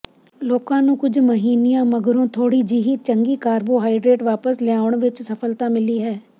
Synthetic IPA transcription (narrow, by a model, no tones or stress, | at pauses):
loːkãːnũːkʊd͡ʒʱməɦiːnijãːməɡəɾõːt̪ʰoːɽiːd͡ʒiːɦiːt͡ʃəŋɡiːkaːɾboːɦaːiɖɾeːʈʋaːpəslɪaːʊəɳ̃ʋɪt͡ʃsəfʰəlt̪ãːmɪliːɦɛː